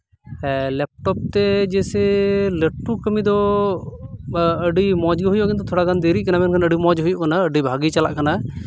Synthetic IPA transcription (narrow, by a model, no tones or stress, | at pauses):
lɛp̚ʈɔp̚t̪ɛd͡ʒɛsɛləʈːukəmid̪ɔ | əɖimɔd͡ʒɡɦujɔʔkint̪̬ɔt̪ʰɔɽaɡand̪eɾikanamɛnkʰanəɖimɔd͡ʒɦujɔʔkanaəɖibʱaɡit͡ʃala̰ʔkana